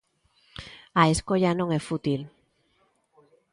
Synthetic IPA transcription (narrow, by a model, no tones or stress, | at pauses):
aeskoʎanõŋefut̪il